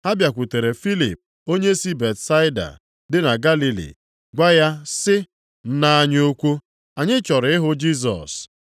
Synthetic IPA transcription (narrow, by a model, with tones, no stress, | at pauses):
ha˦bja˨kʷu˨te˨ɾe˨fi˦li˨p̚ | o˦ɲe˦si˦be˨tsa˦ɪ˦da̰˨ | dɪ˦na˨ɡa˦li˨lḭ˨ | ɡʷa˦ja˦sɪ˦ | n̩˦na˦a˦ɲ˦o˦kʷu˦ | a˨ɲɪ˦t͡ʃɔ˨ɾɪ˨˦ɪ˦ɦʊ˦d͡ʒi˦s̬ɔ̰˨s